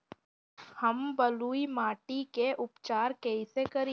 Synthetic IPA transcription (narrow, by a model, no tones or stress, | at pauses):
hɐmbɐluːimaːʈikeʔʊpt͡ʃaːɾkɛisekɐɾi